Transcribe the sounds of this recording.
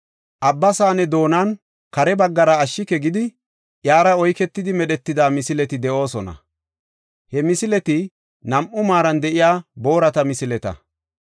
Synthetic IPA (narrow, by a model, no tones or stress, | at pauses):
ʔɐbːɐsaːnɛd̪o̞ːnɐn | kɐɾɛbɐɡːɐɾɐːʃːɪkɛɡɪd̪ɪ | ʔjaːɾɐɔjkɛt̪ːɪd̪ɪmɛɗɛt̪ːɪd̪aːmɪsɪlɛt̪ɪd̪ɛʔo̞ːsɔnɐ̰ | hɛmɪsɪlɛt̪ɪ | nɐmʔʊmaːɾɐnd̪ɛʔɪjaːbo̞ːɾɐt̪ɐmɪsɪlɛt̪ɐ̰